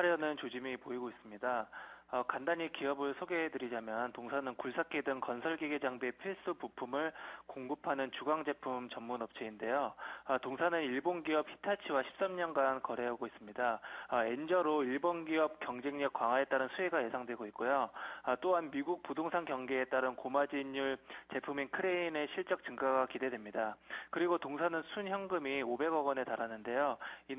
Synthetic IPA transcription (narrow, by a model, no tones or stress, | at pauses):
aɾjʌnɯnt͡ɕod͡ʑimipoiɡois͈ɯmɲidaʌkandaɲikiʌbɯɭsʰoɡe̞ɦedɯɾid͡ʑamjʌntoŋsʰanɯnkuɭsʰakʰe̞dɯnkʌnsʰʌɭɡiɡed͡ʑaŋbepʰiɭs͈upupʰumɯɭkoŋɡɯpʰanɯnt͡ɕuɡaŋd͡ʑe̞pʰumt͡ɕʌmːunʌp̚t͡ɕ͈ʰeinde̞joʌtoŋsʰanɯniɭbonɡiʌp̚hi̥tʰat͡ɕʰiwaɕʰi̥p̚s͈amɲʌnɡankʌɾe̞aɡois͈ɯmɲidae̞nd͡ʑʌɾoiɭbonɡiʌp̚k͈jʌŋd͡ʑe̞ŋɲʌk̚kwaŋɦwae̞t͈aɾɯnsʰueɡaje̞sʰaŋdwe̞ɡoit̚k͈ojoʌt͈oɦanmiɡuk̚pudoŋsʰaŋɡjʌŋɡe̞ːt͈aɾɯnkomad͡ʑiɲːuɭt͡ɕe̞pʰuminkʰɯɾe̞ine̞ɕʰiɭt͡ɕ͈ʌk̚t͡ɕ͈ɯŋɡaɡakide̞dwe̞mɲidakɯɾiɡotoŋsʰanɯnsʰunçjʌŋɡɯmiobe̞ɡʌɡʌne̞taɾanɯnde̞joi